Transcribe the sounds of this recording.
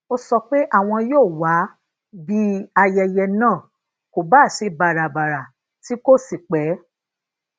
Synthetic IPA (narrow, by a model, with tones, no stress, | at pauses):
o˧sɔ˧k͡pe˦ʔa˦˨w̃ɔ̃˧joː˦˨wa˨˦ | bi˦a˧jɛ˧jɛ˧nãː˦˨ | ko˨ba˦˨si˧ba˨ɾa˨ba˨ɾa˨ | ti˦ko˦˨si˦˨k͡pɛ˨˦